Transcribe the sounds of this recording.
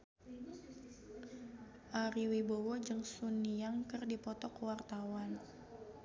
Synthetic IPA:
ʔaɾiwibowɔd͡ʒɨŋsuniaŋkɨrdipɔt̪ɔkwart̪awan

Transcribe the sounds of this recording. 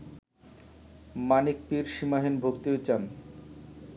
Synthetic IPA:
manik̚piɾʃimaɦenbʱokt̪iet͡ɕam

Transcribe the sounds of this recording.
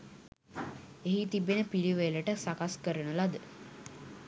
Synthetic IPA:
eɦit̪ibenəpiliʋeləʈəsakaskəɾənəlad̪ə

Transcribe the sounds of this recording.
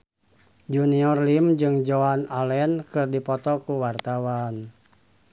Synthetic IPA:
d͡ʒuniɔrlimd͡ʒɨŋd͡ʒoanalɛnkɨrdipɔt̪ɔkuwart̪awan

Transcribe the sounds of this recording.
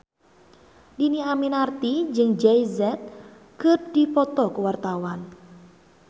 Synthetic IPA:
diniaminart̪id͡ʒɨŋd͡ʒɛjzɛt̪̚ | kɨrdipɔt̪ɔkəwart̪awan

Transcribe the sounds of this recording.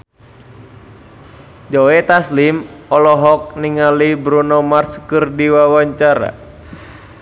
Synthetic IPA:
d͡ʒɔɛt̪aslimɔlɔɦɔk̚niŋalibɾunɔmarskɨrdiwawaɲt͡ʃaɾa̰

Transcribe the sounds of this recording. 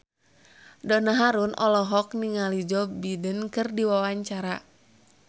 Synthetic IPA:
dɔnaɦaɾunʔɔlɔɦɔk̚niŋalid͡ʒɔbidənkɨrdiwawaɲt͡ʃaɾa

